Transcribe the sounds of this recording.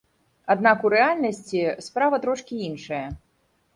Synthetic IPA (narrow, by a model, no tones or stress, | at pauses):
ad̪nakuɾɛalʲnɐsʲt͡sʲispɾavɐt̪ɾɔʂkʲiinʂɐjɐ